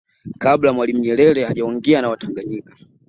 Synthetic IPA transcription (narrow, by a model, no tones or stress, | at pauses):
kablamwalim̩ɲɛɾɛɾɛaʄaɔŋɡɛanawataŋɡaɲikḁ